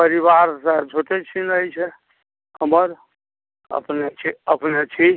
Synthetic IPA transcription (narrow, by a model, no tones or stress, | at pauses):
pəɾiʋaɾsat͡ʃʰoʈet͡ʃʰinəjt͡ʃʰɛ | həməɾ | ə̰pnet͡ʃʰiəpnet͡ʃʰi